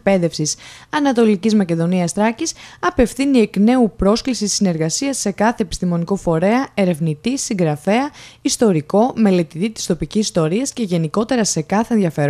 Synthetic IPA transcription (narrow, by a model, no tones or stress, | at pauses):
kpe̞ðe̞fsisɐnɐt̪o̞licizmɐce̞ðo̞niɐst̪ɾɐcisɐpe̞fθinie̞kne̞upɾo̞sklisisine̞ɾɣɐsiɐsːe̞kɐθe̞ːpi̥st̪imo̞niko̞fo̞ɾe̞ɐe̞ɾe̞vnit̪isiŋɡɾɐfe̞ɐist̪o̞ɾiko̞me̞le̞t̪it̪it̪i̥st̪o̞picisist̪o̞ɾiɐsce̞ʝe̞niko̞t̪e̞ɾɐse̞kɐθe̞nðʝɐfe̞ɾ